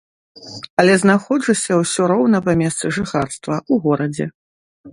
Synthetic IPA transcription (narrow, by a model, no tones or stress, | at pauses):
ɐlʲɛznaxɔd͡ʐɨsʲɐwsʲɔɾɔwnɐpɐmʲɛst̪sɨʐɨxarst̪vɐuɣɔɾɐd͡zʲɛ̰